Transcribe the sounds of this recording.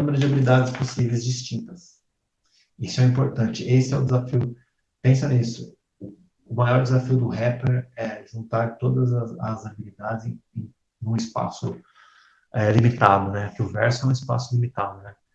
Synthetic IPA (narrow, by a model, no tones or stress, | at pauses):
ũmeɾʊd͡ʒɪabilid̪ad͡ʒɪsposivejzd͡ʒist͡ʃĩnt̪ɐs | isʊɛĩmpoɾt̪ɐ̃t͡ʃɪʔesɪɛʊd̪ɪzafiʊ | pẽs̬ɐnisʊ | ʊː | majɔɾd͡ʒɪzafiʊd̪ʊɦɛpeɾɛʒũnt̪aɾt̪od̪ɐzɐzɐzabilid̪ad͡ʒɪzẽ | nũɪspa̰sʊ | ɛlimit̪ad̪ʊnɛɐkɪʊvɛɾsʊɛũispa̰sʊlimit̪ad̪ʊnɛ